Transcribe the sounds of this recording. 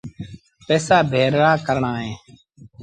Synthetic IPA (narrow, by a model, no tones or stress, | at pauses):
pɛːsaːbʱeːɾɾaːkəɾɳaːɦẽː